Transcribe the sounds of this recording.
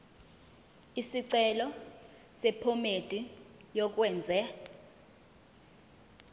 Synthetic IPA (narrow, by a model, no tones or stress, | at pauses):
isiǀɛlɔ | sɛpʰɔmed̥ʱʼi | jɔk̬wɛːnd͡zʱɛ